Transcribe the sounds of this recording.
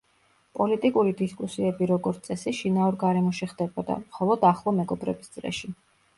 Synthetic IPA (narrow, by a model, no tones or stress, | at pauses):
pʼɔlit̪ʼikʼuɾid̪iskʼusiɛbiɾɔɡɔɾt̪sʼɛsiʃinauɾɡaɾɛmɔʃɛχd̪ɛbɔd̪a̰mχɔlˠɔd̪aχlˠɔmɛɡɔbɾɛbisd̪sʼlɛ̰ʃi